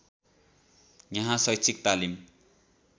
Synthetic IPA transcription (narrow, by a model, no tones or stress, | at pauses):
jʌɦãsʌjt͡sʰik̚t̪alim